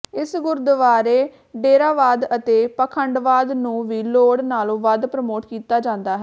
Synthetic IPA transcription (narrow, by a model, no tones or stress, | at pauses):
ɪsɡʊɾd̪əʋaːɾeː | ɖeːɾaːʋaːd̪ət̪eːpəkʰəɳɖʋaːd̪nũːʋiːloːɽnaːlõːʋəd̪pɾəmoːʈkiːt̪aːd͡ʒãːnd̪aːɦɛː